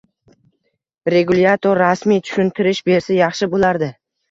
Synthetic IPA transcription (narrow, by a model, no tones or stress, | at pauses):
ɾe̞ɡuljat̪ʰoɾːasmijt̪ʰʊ̥ʃʊnt̪ʰɪɾɪʃbe̞ɾsajɑχʃɪbolaɾd̪ɪ